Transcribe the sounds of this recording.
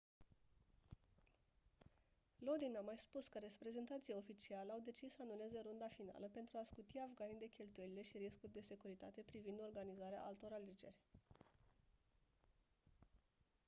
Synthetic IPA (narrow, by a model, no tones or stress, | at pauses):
lo̞d̪inamajspuskəɾe̞spɾe̞ze̞nt̪at̪sijeo̞fit͡ʃialeawd̪e̞t͡ʃissəanule̞ze̞ɾund̪afin̪a̰ləpe̞nt̪ɾuaskut̪iavɡanid̪e̞kʲe̞lt̪uje̞lile̞ʃiɾiskurʲd̪e̞se̞kuɾit̪a̰t̪e̞pɾivind̪o̞rɡanizaɾea̰ʔalt̪o̞ɾale̞d͡ʒe̞rʲ